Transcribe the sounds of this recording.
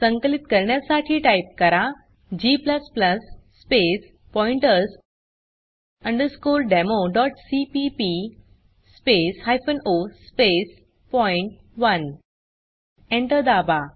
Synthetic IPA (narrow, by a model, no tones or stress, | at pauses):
sə̃ŋkəlit̪kəɾɳjasaʈʰiːʈajp̚kəɾa | d͡ʑipləspləsː | pes | pɔiɳʈəs | əɳɖəɾskolɖɛmoɖɔʈsipipi | speshajfənospes | pɔjiɳʈ̚ | ʋən | eɳʈəɾd̪aba